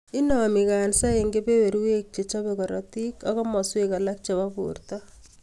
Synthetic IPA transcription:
i˦nɔ˨mi˨ka˨nsa˦e˨ŋɡe˦pe˦we˨ɾwe˦k̚t͡ʃe˨t͡ʃɔ˦bekɔ˨ɾɔ̰ti˦kɔkɔ˦mɔ˨swe˦ka˨la˦k̚t͡ʃa˨ba˦pṵrtɔ˦

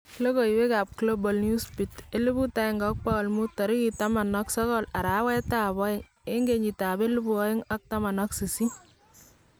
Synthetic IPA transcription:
klo˦ko˨i˨we˦ka˨p̚klo˦bɔlnju˦spi˨te˦lu˦bu˦ta˦ɪŋɡɔk̚palmu˦tɔ˨ɾi˦kitama˨nɔksɔ˦kɔ˦la˨ɾa˨˦wɛ˦ta˦βɔ˦ɪ˦ŋ | e˦ŋɡeɲi˨ta˨be˦lu˦bu˨ɔ˦jɪ˦ŋa˦k̚ta˦ma˨nɔ˦ksi˨si˦

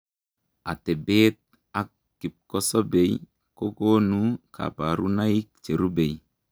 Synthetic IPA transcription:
a˨te˨be˦t̪̚ | a˦kːi˨p̚ko˦so˦be˨j | ko˦ko˦nu˦kʰa̰˨ba˨ɾu˦na˦i˦k̚t͡ʃe˨ɾu˦be˨j

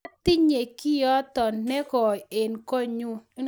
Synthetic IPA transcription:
t̪ɪ˦ɲe˨ki˦jɔ˦t̪ɔ˨nnɛ˦kɔ˨e˨nko˦ɲu˦

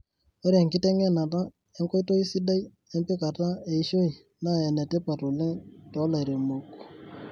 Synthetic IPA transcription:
o˦ɾe˨ŋkɪ˦tɛ˦ŋɛ˦˨na˨ta˦ | e˦ŋko˦to˦i˦si˦da˦i˦ | ɛ˦mpe˦ka˨ta˦e˨i˦ʃo˦i˨ | na˦˨ɛ˨nɛ˨tɛ˦pa˨to˨lɛ˦tɔ˨˦la˨ɾe˨mo˨kː

